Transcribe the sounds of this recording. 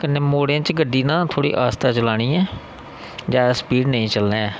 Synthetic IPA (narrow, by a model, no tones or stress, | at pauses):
kənːeːmoːɽãːt͡ʃɡəɖːiːnãːt̪ʰoːɽḭːʔaːst̪aːt͡ʃəlaːɽ̃ĩːɛ̃ː | d͡ʒaːspiːɖnəĩːt͡ʃəlnẽːɛː